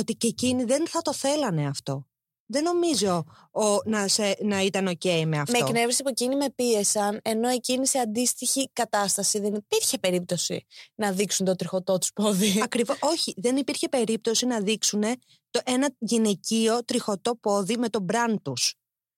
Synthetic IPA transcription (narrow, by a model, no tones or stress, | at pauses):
ot̪iceciniðe̞nθɐt̪o̞θe̞lɐne̞ɐft̪o̞ | ðe̞no̞mizo̞ | onɐsenɐit̪ɐno̞ce̞imeɐfmteokne̞vesiɐpo̞cinime̞pie̞sɐne̞no̞e̞ciniseɐnd̪ist̪içikɐt̪ɐst̪ɐsiðe̞nipiɾçe̞pe̞ɾip̚t̪o̞sḭnɐðiksunt̪o̞t̪ɾixo̞t̪o̞t̪u̥spo̞ðiɐkɾivoo̞çiðe̞nipiɾçe̞pe̞ɾip̚t̪o̞sinɐðiksune̞ | t̪oʔe̞nɐʝine̞cio̞t̪ɾixo̞t̪o̞po̞ðime̞t̪o̞bɾɐnt̪us